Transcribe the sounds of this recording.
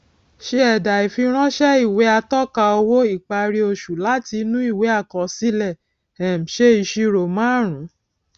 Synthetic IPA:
ʃe˧ɛ˨da˨i˨fi˧ɾ̃ã˦ʃɛ˦i˦˨we˨˦a˧tɔ˦˨ka˧o˧wo˦i˦˨k͡pa˧ɾi˧o˧˨ʃu˨la˦ti˧nũ˦i˦˨we˨˦a˦˨kɔ˨si˦lɛ˦˨ | ɛ˨m̩˨ʃe˦i˧ʃi˧ɾo˨mãː˨˦˨ɾ̃ũ˨˦

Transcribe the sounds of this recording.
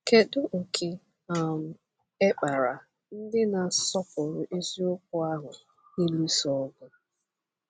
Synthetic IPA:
ke˨dʊ˦ʔ̩˨kʰe˨ | a˨m̩˨ | e˦k͡pa˨ɾa˨ | n̩˦dɪ˦na˨sɔ˦pʊ˨ɾʊ˨ʔe˦zi˦ʊ˦k̚ʊ˦a˦ɦʊ˨ | i˦lu˦sɔ˦ɡʊ˦

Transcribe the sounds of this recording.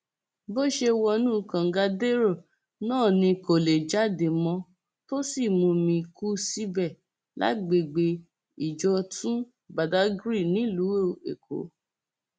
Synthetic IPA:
bo˦ʃe˧wɔ˧nũ˦˨kã˨˦ɡa˧de˦ɾo˦˨ | nãː˦˨nĩ˧ko˨le˨d͡ʒa˨˦de˨mɔ̃˧ | to˦si˦˨mũ˧mĩ˧ku˦si˦bɛ˦˨ | la̰˨˦ɡ͡be˨ɡ͡be˧ | i˨d͡ʒɔ˧˦tũ˦ | ba˨da˨˦ɡɾi˦˨nĩ˨˦lu˨˦o˦˨ḛ˨kʰo̰˨˦

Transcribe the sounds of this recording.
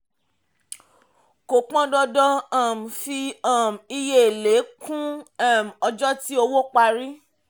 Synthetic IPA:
ko˨k͡pã˦dɔ˧dɔ˧a˨m̩˨fi˧a˦˨m̩˨i˧je˦˨le˨˦kũ˦a˦˨m̩˨ɔ˧d͡ʒɔ˦ti˦o˧wo˦k͡pa˧ɾi˦

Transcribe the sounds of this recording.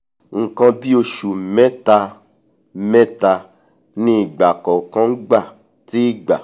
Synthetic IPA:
ŋ̩˨kã˧bi˦o˧ʃu˨mɛ˦ta˧˦ | mɛ̃˦ta˧ | nĩ˦i˦˨ɡ͡ba˨kɔ˨kã˧˦ŋ̩˦ɡ͡ba˦˨ | ti˦i˦˨ɡ͡ba˨

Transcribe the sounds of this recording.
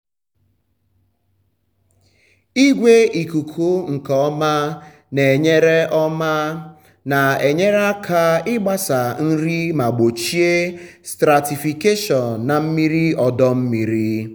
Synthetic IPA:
i˦ɡʷe˦i˨ku˨kʰu˦ŋ̩˨kɔɔ˦ma˦ | ne˨ɲe˦ɾe˦ʔɔ˦ma˦ | na˨e˨ɲe˦ɾe˦a˦kʰa˦ɪ˦ɡ͡ba˦sa˨n̩˦ɾi˦ma˨ɡ͡bo˨t͡ʃi˦e˦stɾa˨ti˨fi˨ke˦ʃɔ˨nːa˨m̩˦mi˦ɾi˦ɔ˨dɔ˦m̩˦mi˨ɾi˦

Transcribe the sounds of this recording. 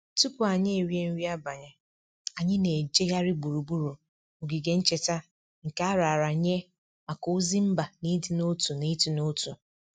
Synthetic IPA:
tu˦pʊ˨a˨ɲɪ˦e˨ɾje˦n̩˦ɾi˦a˦ba˨ɲɪ˦ | a˨ɲɪ˦ne˨d͡ʒe˦ja˦ɾɪ˦ɡ͡bu˨ɾu˨bu˦ɾu˨ | o˨ɡi˨ɡe˦n̩˦t͡ʃe˦ta˦ | ŋ̩˨ka˦a˦ɾa˨ɾa˨ɲe˦ | ma˨ko˦zi˦m̩˦ba˨ni˦di˨no˦tu˨ni˦ti˨no˦tu˨

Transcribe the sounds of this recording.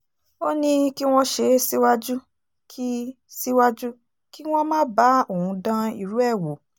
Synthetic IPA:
o˦nĩ˧ki˦w̃ɔ̃˦˧ʃe˧si˦wa˦d͡ʒu˦ | kʰi˦ | si˦wa˦d͡ʒu˦ | ki˦w̃ɔ̃˦mãː˦ba˦o˦˨hũ˧dã˧ḭ˨ɾu˨˦ɛ˦˨wo˨˦

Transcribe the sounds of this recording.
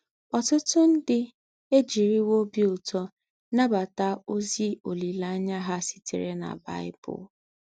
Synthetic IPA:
ɔ˨tʊ˦tʊ˦n̩˦dɪ˦ | e˦d͡ʒi˨ɾi˦wo˦bi˦ʊ˨tɔ˦ | na˦ba˨ta˦o˦zi˦o˨li˨la˦a˦ɲa˦ɦa˦si̥˨tḭ˨ɾe˦na̰˨ba̰˦ɪ˦bʊ̰˨˦

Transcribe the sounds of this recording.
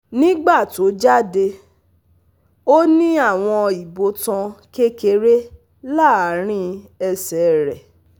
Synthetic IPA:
nĩ˦ɡ͡ba˦˨to˨˦d͡ʒa˦de˧ | o˦nĩ˦a˦˨w̃ɔ̃˧i˨bo˧tã˧ke˦ke˧ɾe˦ | la˦˨a˨˦ɾ̃ĩ˦ɛ˧sɛ˨ɾɛ˨

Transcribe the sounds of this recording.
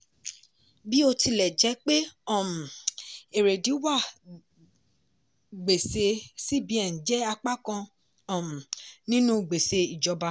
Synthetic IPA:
bi˦o˧tʰi˧lɛ˨d͡ʒɛ˨˦k͡pe˦ɔ˦˨m˨e˨ɾe˨di˨˦wa˦˨ | ɡ͡be˨se˧si˦˨bĩ˧˨ɛ˨n̩˨d͡ʒɛ˨˦a˧k͡pa˦kã˧˦˨ | m̩˨nĩ˦nũ˦˨ɡ͡be˨se˧i˨d͡ʒɔ˧˦ba˧

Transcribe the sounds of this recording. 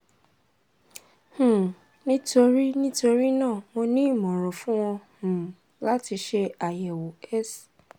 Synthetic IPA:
h̩˨ | nĩ˦to˧ɾi˦nĩ˦to˧ɾi˦nãː˦˨mo˧nĩ˦i˦˨mɔ̃˨ɾ̃ɔ̃˨fũ˦w̃ɔ̃˧h̩˨ | la˦ti˧ʃe˧a˨jɛ˨wo˨ɛ˦s

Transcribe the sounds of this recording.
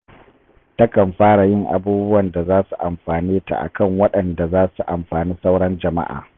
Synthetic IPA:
ta˦kɐ˨mɸaː˦ɽa˨jɪ˦ŋʔa̰˨buː˦bʊ˦wɐ˨nda˨zaː˦su˨ʔa˨mɸaː˨niː˦ta̰˨ʔa̰˨kɐ˦ŋwɐ˦ɗɐ˨nda˨zaː˦su˨ʔa˨mɸaː˨niː˦sa˦wɽɐ˦nd͡ʒɐ˨ma̰˦ʔa̰ː˨

